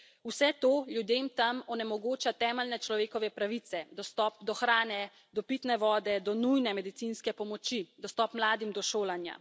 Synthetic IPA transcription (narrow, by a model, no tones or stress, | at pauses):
usɛt̪oːljud̪eːmt̪amɔnɛmɔɡoːt͡ʃat̪ɛːməlnɛt͡ʃlɔʋeːkɔʋɛpɾaʋit̪sɛd̪ɔst̪ɔːp̚d̪ɔxɾaːnɛ | d̪ɔpiːt̪nɛʋɔːd̪ɛd̪ɔnujnɛmɛd̪it̪siːnskɛpɔmɔt͡ʃid̪ɔst̪ɔːpmlaːd̪imd̪ɔʃoːlanja̰